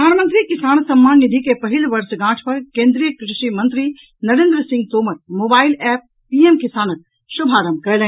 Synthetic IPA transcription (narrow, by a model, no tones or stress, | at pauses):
pəd̪ʱaːnmə̃nt̪ɾikɪsaːnsɐmːaːnːid̪ʱikepɐɦɪlʋɐɾsɡãːʈʰpɐɾkẽːnd̪ɾijəkɾɪʃimɐ̃nt̪ɾi | nɐɾẽːnd̪ɾəsɪ̃ŋɡ̚t̪oːməɾ̚moːbaːɪlɛːp̚ | piemkɪsaːnək̚ | ʃʊbʱaːɾəmkɐlẽ